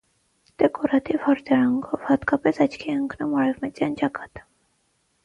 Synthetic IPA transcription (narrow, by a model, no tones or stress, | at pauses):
t̪ɛkɔɾɑt̪ifhɔɾt̪ɛɾɑŋɡɔvhɑt̪kɑpɛsɑt͡ʃkʰiəŋkʰnumɑɾɛvmɛt͡sjɑnt͡ʃɑkɑ̥t̪